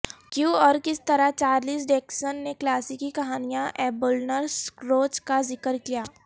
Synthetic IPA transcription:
kjũːɔːɾkɪst̪ɐɾat͡ʃaːɾliːs̬ɖeːksənːeklaːsikikɐɦaːnijãʔɛːbʊlnəɾskɾoːt͡ʃkazɪkəɾkijaː

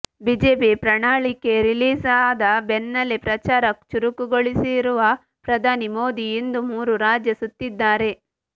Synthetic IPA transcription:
biːd͡ʒeːpipɾɐɳaːɭikeɾiliːsaːd̪ɐbenːɐlipɾɐt͡ʃaːɾɐt͡ʃuɾukuɡoɭisiɾuʋɐ | pɾɐd̪ʱaːnimoːd̪ijind̪umuːɾuɾaːd͡ʒjɐsut̪ːid̪ːaːɾe̞

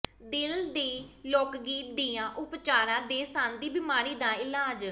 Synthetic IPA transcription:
d̪ɪld̪eːloːkɡiːd̪iːãːʔʊpt͡ʃaːɾãːd̪eːsãːnd̪iːbɪmaːɾiːd̪aːɪlaːd͡ʒ

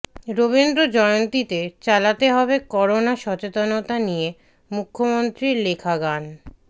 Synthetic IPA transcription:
ɾoβind̪ɾod͡ʑɔeont̪it̪et͡ɕalat̪eɦɔbekɔɾonaʃɔt͡ɕet̪onot̪anije | mukʰːomont̪ɾiɾlekʰaɡan

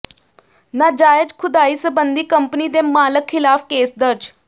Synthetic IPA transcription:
naːd͡ʒaːɪd͡ʒkʰʊd̪aːiːsəbənd̪iːkəmpniːd̪eːmaːləkʰːɪlaːfkeːsd̪əɾd͡ʒ

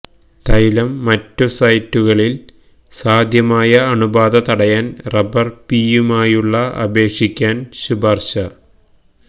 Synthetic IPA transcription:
t̪ɐjlɐmːɐtːusɐjtːuɣɐɭil | saːd̪ʱjɐmaːjɐɐɳubaːd̪ɐt̪ɐɽɐjaːnrɐbɐrpijumaːjuɭːɐɐ̰be̞ːkʂikʲːaːnɕubɐrɕɐ

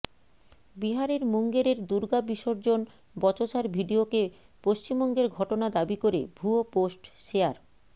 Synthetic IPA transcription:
biɦaɾeɾmuŋɡeɾeɾd̪uɾɡabiʃoɾd͡ʑon | bɔt͡ɕoʃaɾbʱiɖioke | poʃt͡ɕimbɔŋɡeɾɡʱɔʈonad̪abikoɾebʱuoposʈʃeaɾ

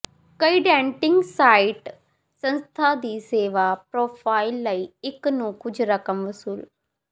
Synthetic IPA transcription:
kəiɖɛ̃ːɳʈɪ̃ŋɡsaːɪʈ | sə̃nst̪ʰaːd̪iːseːʋaːpɾoːpʰaːilːəiːɪknũːkʊd͡ʒʱɾəkəmʋəsuːl

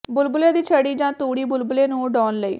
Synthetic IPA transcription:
bʊlbʊleːd̪iːt͡ʃʰəɽiːd͡ʒãːt̪uːɽiːbʊlbʊleːnũːɖɔːnləḭː

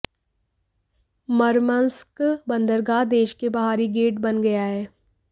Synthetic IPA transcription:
məɾmənskbə̃nd̪əɾɡaːd̪eːʃkebɐɦaːɾiɡeːʈbɐnɡɐjaɦɛː

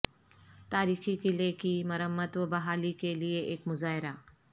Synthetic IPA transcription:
t̪aːɾiːxikileːkimɐɾəmːət̪ʋəbɐɦaːlikelieʔeːkmʊzaːɦɪɾaː

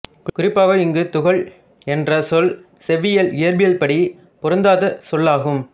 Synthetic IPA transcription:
kʊɾɪpːaːɣɐɪŋɡɯt̪ʊɣɐɭ | ɛndrɐsɔl | sɛʋɪjɐlɪjɐɾbɪjɐlpɐɽi | pɔɾɯnd̪aːðɐsɔlːaːɣɯm

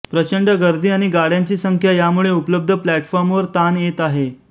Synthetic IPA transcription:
pɾət͡ɕəɳɖəɡəɾd̪ʱiːaɽ̃iɡaɽ̤jaɲt͡ɕiːsəŋkʰjajamuɭeupləb̚d̪ʱəplæʈfɔɾmʋəɾt̪anjet̪aɦe

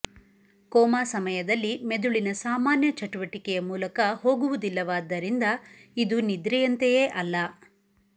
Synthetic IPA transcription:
kɔːmaːsɐmɐjɐd̪ɐlːimed̪uɭinɐsaːmaːnjɐt͡ʃɐʈuʋɐʈikɛjɐmuːlɐkɐho̞ːɡuʋud̪ilːɐʋaːd̪ɐɾind̪ɐid̪unid̪ɾɛjɐnt̪ejeːʔɐlːɐ

